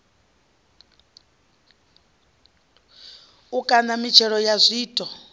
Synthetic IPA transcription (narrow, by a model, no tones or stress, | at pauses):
ukʼanamit͡ʃʰɛɺɔjazʷiːtʼɔ